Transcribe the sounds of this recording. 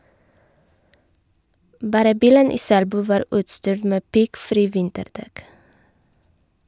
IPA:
ˈbɑːɾə ˈbiːlən ˈiː ˈsælbʉː ˈʋɑːɾ ˈʉːtstyːɾ ˈmeː ˈpɪɡˌfɾiː ˈʋɪntəɾˌdɛk

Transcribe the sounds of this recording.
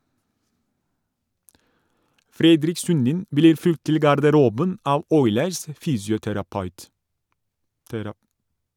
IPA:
ˈfɾɛdɾɪk ˈsʉndɪn ˈbliːɾ ˈfʉlt ˈtɪl ɡɑɾdəˈɾuːbən ˈɑːʋ ˈɔʏləɾs ə ˈfyːsjʊtæɾɑˌpɑʉt

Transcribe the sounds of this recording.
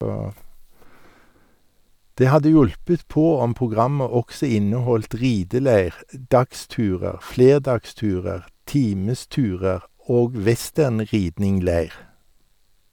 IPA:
ˈdeː ˈhɑdə ˈjʊlpət ˈpoː ˈɔm pʁʊˈɡʁɑmə ˈɔksə ˈɪnəˌhɔlt ˈʁiːdəˌleɪʁ ə ˈdɑkˌstʉːʁəʁ ˈfleːʁdɑkˌstʉːʁəʁ ˈtiːməˌstʉːʁəʁ ˈoːɡ ˈʋɛˌstæʁnˌʁiːdnɪŋˌleɪʁ

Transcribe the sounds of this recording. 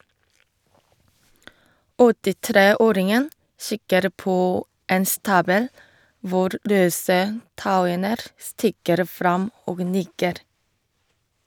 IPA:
ɔtɪˈtɾeːˌoːɾɪŋən ˈsɪkəɾ ˈpoː ˈeːn ˈstɑːbəl ˈʋʊɾ ˈɾøːsə ˈtaʊənəɾ ˈstɪkəɾ ˈfɾɑm ˈoːɡ ˈnɪkəɾ

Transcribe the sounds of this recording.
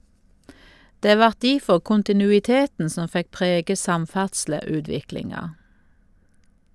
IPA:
ˈdeː ˈʋɑʁt ˈdiːfɔʁ kʊntɪnʉɪˈteːtn̩ ˈsɔm ˈfɛk ˈpʁeːɡə ˈsɑmˌfæʁdsləˌʉːdʋɪklɪŋɑ

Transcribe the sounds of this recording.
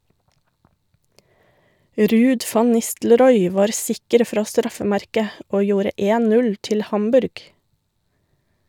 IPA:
ˈɾʉːd ˈfɑn ˈnɪstlɾɔʏ ˈʋɑːɾ ˈsɪkəɾ ˈfɾɑː ˈstɾɑfəˌmæɾkə ˈoː ˈjuːɾə ˈeːn ˈnʉl ˈtɪl ˈhɑmbʉɾɡ

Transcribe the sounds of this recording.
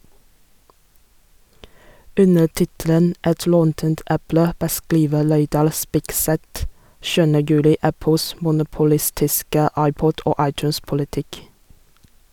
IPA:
ˈʉnə ˈtɪtələn ˈʔɛt ˈlɔntənt ˈʔæplə bəˈskliːʋə ˈleɪdɑl ˈspɪkˌsɛt ˈʃʉːənə ˈjʉːlɪ ˈæpəls mʊnʊpʊˈlɪstɪskə ˈɑɪˌpɔd ˈoː ˈɑɪˌtjʉːnspʊlɪˌtɪk

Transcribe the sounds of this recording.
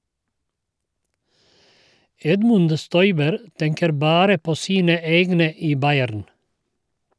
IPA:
ˈɛdmʉnd ˈstɔʏbəɾ ˈtɛŋkəɾ ˈbɑːɾə ˈpoː ˈsiːnə ˈeːɡnə ˈiː ˈbɑɪæɾn

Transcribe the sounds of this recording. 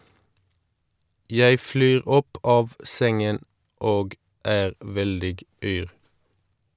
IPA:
ˈjæɪ ˈflyːʁ ˈɔp ˈɑːʋ ˈsɛŋən ˈoːɡ ˈæːʁ ˈʋɛldɪɡ ˈyːʁ

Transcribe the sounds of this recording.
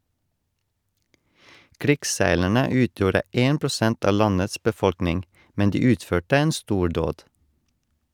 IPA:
ˈkɾɪksˌsæɪlæɳə ˈʉːtjuːɾə ˈeːn pɾʊˈsɛnt ˈɑː ˈlɑnəs bəˈfɔɽknɪŋ ˈmɛn ˈdiː ˈʉːtføːʈə ˈeːn ˈstuːˌɖoːd

